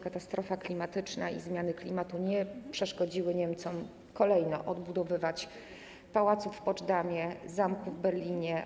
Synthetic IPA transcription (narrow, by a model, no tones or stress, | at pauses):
kat̪ast̪ɾɔfaklʲimat̪ɘt͡ʂnaḭzmʲjanɘklʲimat̪uɲɛpʂɛʂkɔd͡ʑiwɘɲɛmt̪sɔm | kɔlɛjnɔʔɔd̪bud̪ɔvɘvat͡ɕ | pawat̪sufːpɔʐd̪amʲjɛzamkuvbɛɾlʲiɲɛ